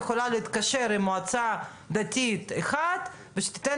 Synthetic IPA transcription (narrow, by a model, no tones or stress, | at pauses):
xolaleit̪kaʃeɾimːoat͡sa | d̪at̪ʲit̪exad̪ | veʃe̥t̪i̥t̪e